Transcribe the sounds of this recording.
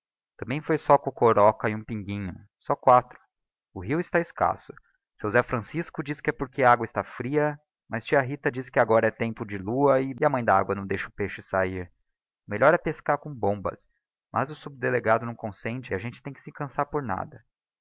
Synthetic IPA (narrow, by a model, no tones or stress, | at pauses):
t̪ɐ̃mbẽj̃fojsɔkõkoɾɔkɐɪũpĩŋɡĩɲʊ | sɔkwat̪ɾʊ̥ | ʊɦiwɪst̪aɪska̰sʊ̥ | sewzɛfɾɐ̃siskʊd͡ʒiskɪɛpoɾkeɐaɡwɐɪst̪afɾiɐ | mɐst͡ʃiɐɦit̪ɐd͡ʒiskɪaɡɔɾɐɛt̪ẽmpʊd͡ʒɪluɐɪɪɐmɐ̃j̃d̪ɐa̰ɡwɐnɐ̃w̃d̪ejʃɐʊpeʃʊɪsaiɾ | ʊmeʎʔɔɾɛpeskaɾkõbõbɐ̰s | mʔɐ̰zʊsub̚d̪eleɡad̪ʊnɐ̃w̃kõsẽnt͡ʃɪaʒẽnt͡ʃɪ̥t̪ẽj̃kɪ̥sɪkɐ̃saɾpoɾna̰d̪ɐ